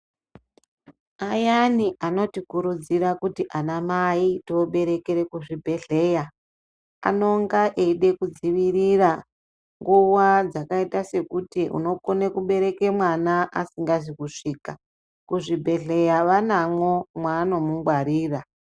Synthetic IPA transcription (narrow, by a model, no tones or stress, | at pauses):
ajaniʔano̞tikuɾud͡ziɾakutiʔanamaitooɓe̞ɾe̞keɾe̞kuʐibʱe̞ɮe̞ja | a̰no̞ŋɡaʔeiɗe̞kud͡ziʋirira | ŋɡuwad͡zakaitase̞kutiʔṵno̞konekuɓe̞ɾe̞ke̞mwanaʔasiŋɡaʐikuʂiːka | kuʐibʱe̞ɮe̞jaʋanamwo̞mwaːno̞muŋɡwaɾiːra